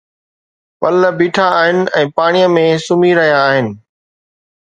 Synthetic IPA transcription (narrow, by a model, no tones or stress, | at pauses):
pɐləbiːʈʰaːɦɪnɪ̆ɛ̃ːpaːɽ̃ijə̃mẽsʊmiɾɐɦijaːɦɪnɪ̆